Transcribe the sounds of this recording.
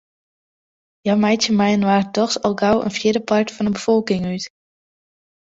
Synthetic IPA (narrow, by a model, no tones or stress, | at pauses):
jawmɛjtəmɛjənʋaːrtɔχsɑlˠɡawə̰nfjɪdəpɑɹtfɑnəbəv̥ɔlˠkɪŋyt